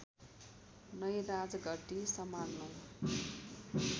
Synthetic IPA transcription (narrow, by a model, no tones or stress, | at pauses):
nʌjɾad͡zʌɡʌʈ̪isʌmanno